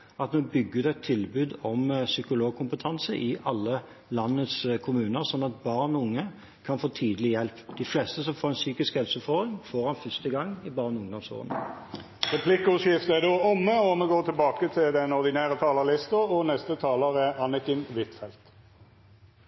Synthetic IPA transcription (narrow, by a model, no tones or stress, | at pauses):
ɑt̪mobʏɡːəʉd̪ɛt̪ʰːɪlbʉːd̪ɔmsʏkʊloːɡ̚kʰʊmpət̪ʰɑnsəʔɪʔɑlːə | lɑnːət̪skʰʊmʉːnəʁsɔnːɑt̪̚bɑʁnɔʊŋːə | kʰɑnfoːt̪ʰiːd̪əlɪjɛlpd̪̥ɪflɛst̪əsɔmfoːʁɛnsyːkɪskhɛlsʉfɔd̪ʁɪŋfoːʁhɑnfʏst̪əɡɑŋːɪbɑːʁnʊŋd̪ɔmso̰ːə̰n | ʁɛpʰlɪkəʊʂɪft̪əæd̪oːɔmːəɔməɡoːt̪ʰɪlbɑːkət̪ʰɪld̪ɛnɔʁd̪ɪnæːɾət̪ʰɑːləlɪst̪əɔnɛst̪ət̪ʰɑːləʁæɑnək̪ɪnʋɪt̪fɛlt̪